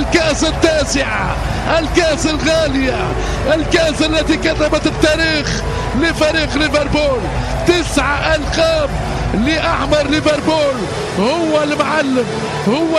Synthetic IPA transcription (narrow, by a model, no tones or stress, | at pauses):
lkaʔsat̪ːaːsɪʕa̰ | ʔɪlkaʔsalɣaːlɪja | ʔɪlkaʔsalːæt̪ikɑrˤːɑbat̪bt̪aːɾiːx | lɪfæːɾiːqlɪveɾˤbuːl | t̪ɪsʕaʔalqɑːm | liʔaħmɑɾˤːɪvæɾˤbuːl | hʊwːalmʕalːɪm | hʊwː